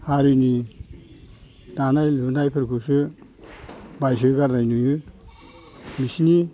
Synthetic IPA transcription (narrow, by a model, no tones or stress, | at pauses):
haɾuni | danajlunajpʰɯɾkʰusɯ | bajs̬ɯɡaɾnajnujɯ | misni